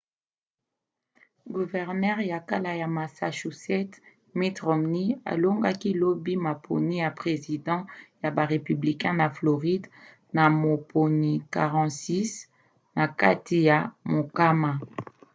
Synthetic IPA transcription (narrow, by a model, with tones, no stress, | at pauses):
ɡu˨vɛ˨ʁnɛ˦ʁja˨ka˦la˨ja˨ma˨sa̰˨ʃu˨sɛ˦t | mi˦tʁɔ˨mni˦a̰˨lo˦ŋɡa˦ki˦lo˦bi˦ma˨pʰo̰˨ni˦ja˨pʁe˨zi˨dɑ̃˦ja˨ba˨ʁe˨py˨bli˨kɛ̃˦na˨flo˨ʁi˦d | na˨mo˨po˨ni˨ka˨ʁɑ̃˨si˦s | na˨ka˦ti˨ja˨mo˨ka˦ma˨